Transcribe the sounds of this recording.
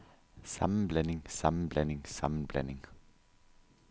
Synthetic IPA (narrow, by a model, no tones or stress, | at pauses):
sɑ̰mən̩blɛnɪŋsɑmn̩blɛnɪŋsɑmn̩b̥lɛ̰nɪŋ